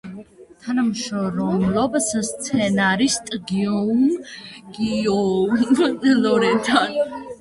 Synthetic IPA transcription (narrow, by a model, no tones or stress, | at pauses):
t̪ʰanamʃɔɾɔblɔbsst̪sʰɛnaɾist̪ʼɡiɔumɡ̥iɔnɛlɔɾɛt̪ʰan